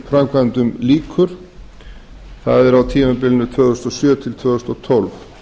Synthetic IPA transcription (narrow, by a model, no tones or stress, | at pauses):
fɾamkʰvant̪ʏmliːkʰʏɾ̥ | θa̰ðɛɾawt̪ʰiːmapɪlnʏt̪ʰvœːɣðʏst̪ɔsjœːt̪ʰɪlt̪ʰvœːðʏst̪ɔt̪ʰɔlv